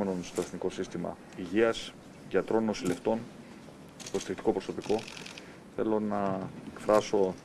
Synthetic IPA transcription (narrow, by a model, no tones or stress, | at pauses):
e̞no̞nst̪o̞e̞θniko̞sist̪imɐ̰ | iʝiɐs | ʝɐt̪ɾo̞nːosile̞ft̪o̞n | p̪ost̪ekt̪i̥ko̞pɾo̞so̞piko̞ | θe̞lo̞nɐekfɾɐso̞